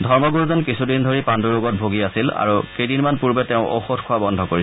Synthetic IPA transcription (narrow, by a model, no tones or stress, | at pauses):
dʱɔɹmɔɡuɹzɔnkisudindʱoɹipanduɹoɡɔt̚bʱoɡiasila̰ɹukejdinmanpuɹbɛtɛʊ̃ʔo̰xotʰkʰʊabɔndʱɔkoɹi